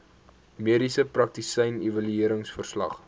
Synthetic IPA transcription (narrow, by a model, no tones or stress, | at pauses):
miəɾisəprɐk̚tisəjnivɐlyiəɾəŋsfərslɐ̰χ